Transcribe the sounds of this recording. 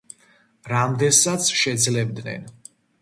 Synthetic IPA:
ɾamd̪ɛnsat̪sʰʃɛd̪zlɛbd̪nɛ̰n

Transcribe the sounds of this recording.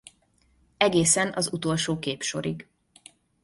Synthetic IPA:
ɛɡeːsɛnɒzut̪o̞lʃoːkeːpʃo̞̰ɾiɡ

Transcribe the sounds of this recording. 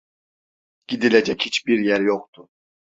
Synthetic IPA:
ɟ̥id̪iled͡ʒɛchit͡ʃbiɾjæɾjoχt̪ʰu

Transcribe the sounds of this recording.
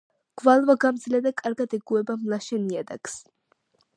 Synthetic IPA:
ɡ̥valˠvaɡamd̪zlɛd̪akʼaɾɡad̪ɛɡuɛbamlˠaʃɛniad̪a̰ks

